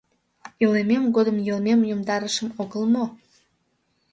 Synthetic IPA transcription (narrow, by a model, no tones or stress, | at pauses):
ilememɡod̪əmjolmemjomd̪ɑɾəʃəmoɣəlmo